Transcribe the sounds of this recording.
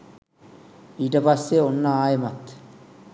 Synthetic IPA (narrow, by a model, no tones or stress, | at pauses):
iʈɐpɐsːeonːɐaːjɐmɐt̪ː